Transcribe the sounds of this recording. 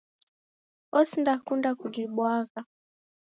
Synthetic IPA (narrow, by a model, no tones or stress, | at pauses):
ɔsindakundakud͡ʒiɓwaɣa